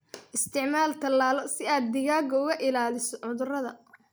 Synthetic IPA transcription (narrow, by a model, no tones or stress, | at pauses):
ʔɪst̪ʰɪʕmaːlt̪ʰɐlːaːlɔsɪaːd̪̚ːɪɣaːɡɔʊɣɐʔɪlaːlɪsɔʕʊðʊrɐðɐ